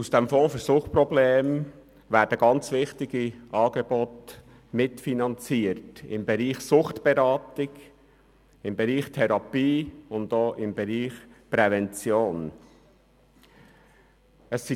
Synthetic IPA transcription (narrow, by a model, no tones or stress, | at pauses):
usd̥ɛmfɔ̃ːfəɾsʊχpɾɔbleːm | væːɾdəɡɑnt͡sʋɪχtɪɡiʔɑːɡɛbot | mɪtfinɑnt͡siːətɪ̰mbɛɾiːχsʊχtb̥ɛɾɑːtɪɡ | ɪmbɛɾiːχtʰɛɾɑpiːʊndoːʔɪmbɛɾiːχpɾɛvɛnt͡sjoːn | əssi